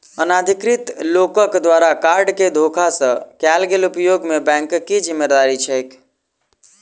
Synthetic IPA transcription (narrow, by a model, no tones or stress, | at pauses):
ənad̪ʱikɾit̪lokəkd̪ʋaɾakaɾɖked̪ʱokʰasə̃kalɡelupjoɡmebɛ̃ŋkkːid͡ʒimːed̪aɾit͡ʃʰɛk